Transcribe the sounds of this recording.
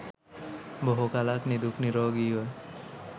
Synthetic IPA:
bɔɦokalaknid̪ukniɾɔɡiɔ

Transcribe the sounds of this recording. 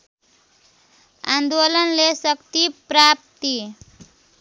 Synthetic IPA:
a̰nd̪olʌnlesʌkt̪ipɾap̚t̪i

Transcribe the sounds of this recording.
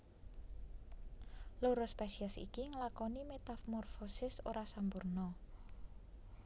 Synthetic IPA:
loɾɔspesiasḭkiŋəlakɔnimet̪afmɔrfosɪsoɾasampurnɔ

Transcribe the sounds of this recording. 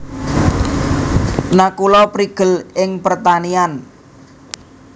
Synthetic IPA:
nakulɔpɾiɡ̥ə̤lɪŋpərt̪anian

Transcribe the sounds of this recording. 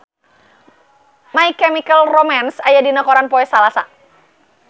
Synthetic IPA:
maikːɛmikəlromansajadinakɔɾanpɔɛsalasa

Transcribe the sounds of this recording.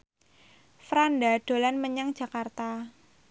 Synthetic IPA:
fɾandaɖ̥o̤lanməɲaŋd̥d͡ʒ̥a̤kart̪a

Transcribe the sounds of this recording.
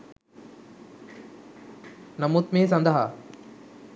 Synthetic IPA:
nɐmut̪meːs̬ɐnd̪ɐɦa

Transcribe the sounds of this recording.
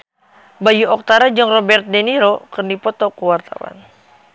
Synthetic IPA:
bajuɔk̚t̪aɾad͡ʒɔŋrɔbɛrt̪̚dɛniɾokɨrnipɔt̪ɔkuwart̪a̰wa̰n

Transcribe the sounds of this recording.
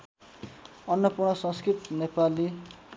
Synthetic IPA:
ʌnːʌpurɳ̃ʌsʌ̃nskrit̪nepali

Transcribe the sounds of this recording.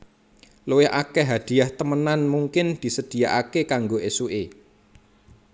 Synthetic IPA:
luwɪɦʔa̰kɛɦad̪̥i̤aht̪əmənanmuŋkɪnd̪̥i̤səd̪̥i̤jaʔakekaŋɡoʔesue

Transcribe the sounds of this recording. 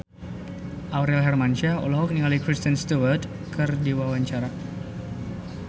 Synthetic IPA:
ʔawɾɛlɦɛrmanʃaṵlaɦɔk̚niŋalikɾist̪ənst̪uwərd | kɨrdiwawaɲt͡ʃaɾa

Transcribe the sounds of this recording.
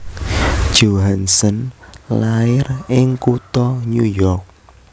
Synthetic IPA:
ʒ̥oɦansənlaɪrɪŋkut̪ɔɲujɔrk̚

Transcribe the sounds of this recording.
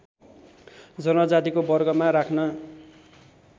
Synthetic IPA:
d͡zʌnʌd͡zat̪ikobʌrɡʌmaɾakʰnʌ

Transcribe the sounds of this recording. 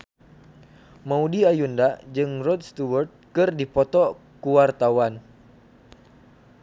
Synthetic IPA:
maudiajundad͡ʒɨŋrɔt̪̚st̪uwɔrt̪̚kɨrdipɔt̪ɔ | kuwart̪awan

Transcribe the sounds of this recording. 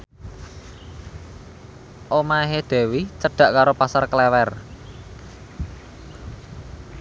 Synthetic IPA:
ʔomaɦed̪̥ɛ̤wit͡ʃəɖ̪̥a̤ʔkaɾopasarkəlɛwɛr

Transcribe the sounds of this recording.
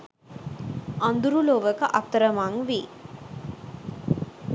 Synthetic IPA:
ʔand̪uɾuloʋəkəʔɐt̪ːəɾəmaŋʋi

